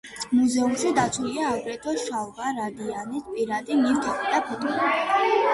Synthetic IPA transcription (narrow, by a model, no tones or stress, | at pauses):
muzɛumʃid̪at̪sʰuliaːɡɾɛt̪ʼɔʃavvaɾad̪ianispʼiɾad̪imiwt̪ʰamɛd̪apʰɛt̪ʼulai